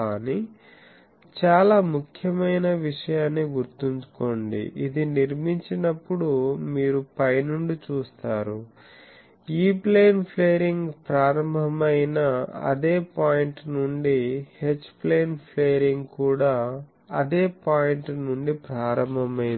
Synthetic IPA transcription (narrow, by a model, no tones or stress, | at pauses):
kaːni | t͡ʃaːlaːmukʰjɐmɐjnɐʋiʂɐjaːnːiɡuɾt̪iɲt͡ʃu̥ko̞ːɳɖḭʔid̪iniɾmiɲt͡ʃinɐpːuɽumiːɾupɐjnuɳɖit͡ʃuːst̪aːɾu | iːple̞ːnpʰleːɾiŋɡpɾaːɾɐmbʱɐmɐjnɐɐ̰d̪e̞ːpaːjiɳʈnuɳɖihe̞t͡ʃːple̞ːnpʰle̞ːɾiŋɡkuːɽaː | ɐd̪e̞ːpaːjiɳʈnuɳɖipɾaːɾɐmbʱɐmɐjn